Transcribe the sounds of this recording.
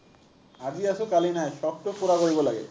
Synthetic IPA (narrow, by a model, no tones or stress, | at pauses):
ad͡ʑiasokalinaeʃɔk̚ʈokoɾaɡojbolaɡḛ